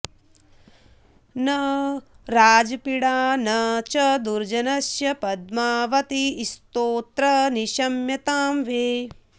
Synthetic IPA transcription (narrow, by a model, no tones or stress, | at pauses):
nɐ | ɾaːd͡ʒɐpiɽaːnɐt͡ʃɐd̪uɾd͡ʒɐnɐsjɐpɐd̪̚maːʋɐt̪iːst̪oːt̪ɾɐniʃɐmjɐt̪aːmʋeː